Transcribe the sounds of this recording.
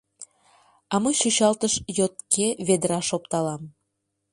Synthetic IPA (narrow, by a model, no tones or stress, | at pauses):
ɑməjʃyɕɑlt̪əʃjot̪kʰeβed̪əɾɑʃop̚t̪ɑlɑm